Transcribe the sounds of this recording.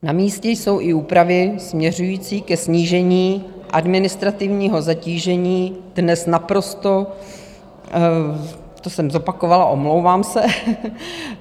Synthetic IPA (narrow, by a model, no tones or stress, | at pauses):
namiːscɛjso̞wʔɪuːpɾavɪsmɲɛr̝ujiːt͡siːkɛsɲiːʒɛɲiːʔa̰dmɪnɪst̪ɾat̪ɪvɲiːɦo̞zaciːʒɛɲiːd̥nɛsnapɾo̞st̪o̞ | t̪osɛmzo̞pakovalaʔomlo̞wvaːmsɛ